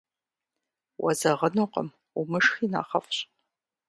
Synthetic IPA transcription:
wʔɐzɐʁənuqə̰m | umɨʂxiːna̰ːχɐ̰fɕʼ

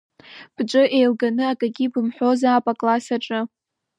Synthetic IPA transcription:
b̥ʈ͡ʂʷʼɨʔejlɡanɨakʼaɡʲibɨmħʷo̞zaːpʼakʼlasaʈ͡ʂʼɨ

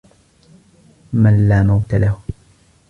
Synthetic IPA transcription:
manlaːmawt̪alah

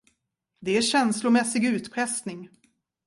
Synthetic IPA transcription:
d̪ɛæɕɛnslʊmɛsːɪɡʉ̟ːt̪pʰɾɛsnɪŋ

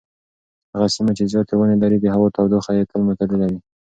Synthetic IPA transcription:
haɣasimat͡ʃezjɑt̪ewənelaɾid̪əɦaɣot̪ɑwd̪oxajet̪əlmʊt̪aləlawi

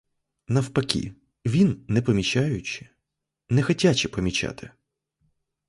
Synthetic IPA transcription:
nɐwpɐkʲḭ | ʋʲinːɛpɔmʲit͡ʃajʊt͡ʃɪ̥ | nɛxɔtʲat͡ʃɪpɔmʲit͡ʃa̰t̪ɪ

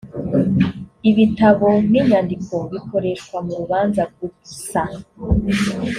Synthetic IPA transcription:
iβitaβo̞n̥iɲandiko̞βiko̞ɾe̞ʃkwamuɾuβaːnzabɡusa

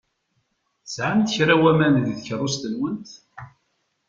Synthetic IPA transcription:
θsʕamt̪çɾawæmænððçərˤːʊst̪ənwənt̪

